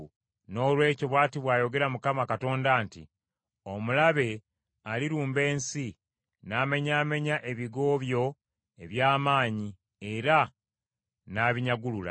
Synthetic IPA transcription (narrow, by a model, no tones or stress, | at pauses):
no̞ːlwe̞ːcoβwaːtiβwaːjo̞ɡe̞ɾamukamakato̞ːndaːntḭ | o̞mulaβe̞ | aliɾuːmbe̞ːnsi | naːme̞ɲaːme̞ɲaʔe̞βiɡo̞ːβjo̞ | e̞βjaːmaːɲi | e̞ɾa | naːβiɲaɡulula̰